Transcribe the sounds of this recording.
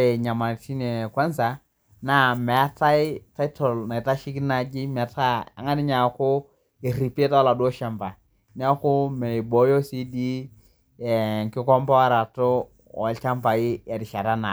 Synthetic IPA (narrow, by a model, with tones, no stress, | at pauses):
e˨ɲa˨ma˨ti˦ne˨kwa˦nsa˨ | na˦mɛ˨a˦ta˦i˦ta˦i˦tɔ˨lna˨ta˦ʃi˦ki˦na˦˨d͡ʒi˦mɛ˨ta˦a̰˨ŋa˦ni˦ɲa˨kʊ˦ | e˨ri˨pe˦ta˦la˨do˦ʃa˨mpa˨ | n˦a˦kʊ˦mɛ˨i˨bɔ˨˦jo˦si˦di˦ | ɛ˨ŋ˨kɪ˦kɔ˦mpa˦wa˦ɾa˨to˦ | ɔ̰˨lt͡ʃa˦mfa˨jɪ˦ɛ˨dɪ˨ʃa˨ɾa˦na˨